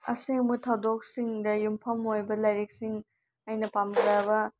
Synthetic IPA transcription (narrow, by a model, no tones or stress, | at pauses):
ɐ̰siŋmutʰɐwdok̚siŋdɐjumpʰɐmojbɐlɐjɾek̚siŋ | ɐjnɐpamkɾjabɐ